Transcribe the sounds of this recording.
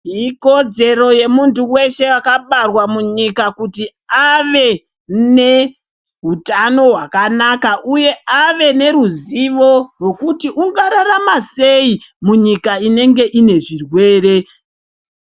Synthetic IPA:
ɦiko̞d͡ze̞ɾo̞je̞muntuwe̞ʃe̞akaɓarwamuɲikakutiaʋe̞ | ne̞ | ɦutano̞ɦwakanakaʔuje̞ʔaʋe̞ne̞ɾuziʋo̞rwe̞kutiʔuŋɡaɾaɾamase̞imuɲikaine̞ŋɡe̞ʔine̞ʐirwe̞ːre̞

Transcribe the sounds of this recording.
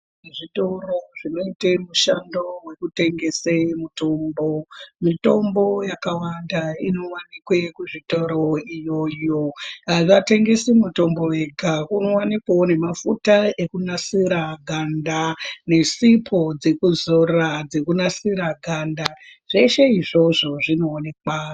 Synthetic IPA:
ʐitoroʐino̞itemuʃando̞we̞kute̞ŋɡe̞semuto̞ːmbo̞mito̞mbo̞jakawandaino̞wanikwekuʐitoɾo̞ijo̞jo̞aʋate̞ŋɡe̞simuto̞mbo̞weɡʱakuno̞wanikwone̞mafutaʔe̞kunasiɾaɡʱandane̞sipʰo̞d͡ze̞kuzorad͡ze̞kunasiɾaɡʱandaʐ̥e̞ʃe̞iʐo̞ʐo̞ʐino̞ːne̞ka

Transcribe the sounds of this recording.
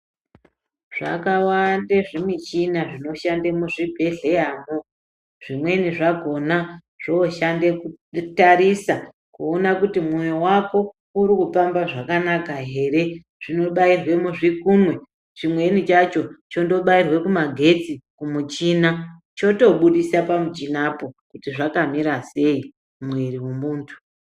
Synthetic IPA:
ʐ̥a̰kawandeʐemit͡ʃinaʐino̞ʃandemuʐibʱe̞ɮe̞jamo | ʐ̥imwe̞niʐaɡʱo̞na | ʐ̥oːʃandekutaɾisa | kuonakutimwojowako̞ | uɾikupambaʐakanakaɦe̞ːre̞ | ʐ̥ino̞ɓairwe̞muʐikumwe̞ | ʐimwe̞nit͡ʃat͡ʃo̞t͡ʃondo̞ɓairwe̞kumaɡʱe̞t͡sikumut͡ʃiːna | t͡ʃo̞to̞ɓuɗisapamud͡ʒinapo̞kutiʐakamiɾase̞i | mweriwumuːntu̥

